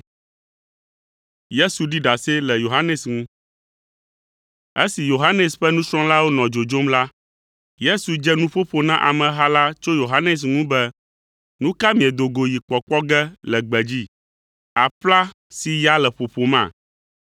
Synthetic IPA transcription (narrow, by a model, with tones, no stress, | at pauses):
je˦su˨ɖi˦ɖa˨sɛ˦lɛ˨jo˨ɦa˦nɛ˨sŋũ˦ | e˦si˨jo˨ɦa˦nɛ˨sɸɛ˦nũ˦sɾ̃ɔ̃˦la˦wo˦nɔ̃˨d͡ʒo˨d͡ʒo˦mla˦ | je˦su˨d͡ʒɛ˦nũ˦ɸo˦ɸo˨nã˦ʔa̰˨mɛ̃˨ɦa˦la˦t͡ʃo˦jo˨ɦa˦nɛ˨s̬ŋũ˦bɛ˦ | nũ˦ka˦mĩ˨ɛ˨d̪o˨ɡo˨ji˨k͡pɔ˨k͡pɔ˦ɡɛ˦lɛ˨ɡ͡bɛ˨d͡ʑi˦ | a˨ɸla˦ | si˨ja˦lɛ˨ɸo˨ɸo˨mã̰˦˨